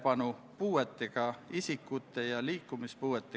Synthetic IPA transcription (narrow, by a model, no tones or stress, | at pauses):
pɑnu | puːet̪ˑːeɡ̥ɑisikːut̪ˑːe̞jɑliːkːˑumispuːet̪ːˑe